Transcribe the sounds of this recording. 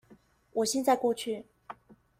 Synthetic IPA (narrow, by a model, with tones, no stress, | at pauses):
wɔ˨˩ɕjɛ˥˧nt͡sa˥˧ɪkwɔ˥˧t͡ɕʰy˥˩